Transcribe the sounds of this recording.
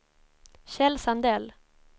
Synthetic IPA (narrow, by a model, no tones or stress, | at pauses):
ɕɛlsand̪ɛl